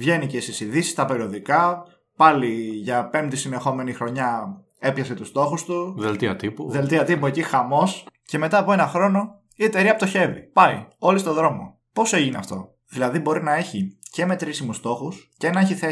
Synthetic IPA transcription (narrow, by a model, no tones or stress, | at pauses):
vʝe̞nice̞isisiðisi̥st̪ɐpe̞ɾio̞ðikɐ | pɐliʝɐpe̞mt̪isine̞xo̞me̞nixɾo̞ɲɐ | e̞pçɐset̪ust̪o̞xust̪uðelt̪iɐ̰t̪ipuðe̞lt̪iɐt̪ipuecixɐmo̞sce̞me̞t̪ɐːpoe̞nɐxɾo̞no̞ | ie̞t̪e̞ɾiɐpot̪oçe̞vḭpɐio̞list̪o̞ðɾo̞mo̞̰ | po̞seʝiniɐ̰ft̪o̞ | ðilɐðibo̞ɾinɐe̞çice̞me̞t̪ɾisimust̪o̞xusce̞nɐeçiθe